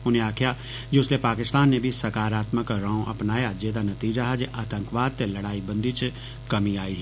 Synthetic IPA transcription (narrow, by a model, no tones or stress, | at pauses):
ʊnɦẽaːkʰja | d͡ʒoʊslepaːkɪst̪aːnːebʱisɐɾkaːɾaːt̪məkɾãːõʔɐ̰pnaːjad͡ʒeːd̪anɐt̪iːd͡ʒaɦɛd͡ʒeʔaːt̪ə̃ŋkʋaːd̪̚t̪elɐɽaːibɐ̃nd̪ʱit͡ʃ | kɐmiaːiɦ